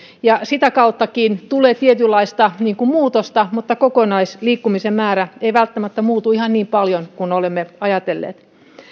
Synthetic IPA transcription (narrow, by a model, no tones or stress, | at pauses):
jɑsit̪ækɑut̪ːɑkiːnt̪uleːt̪iet̪ylːɑist̪ɑniːŋkummuːt̪ost̪ɑmut̪ːɑkokonɑisliːkːumisemmæːɾæeiʋælt̪ːæmæt̪ːæmuːt̪uihɑnniːmpɑljonkunolemːeɑjɑt̪elːḛːt̪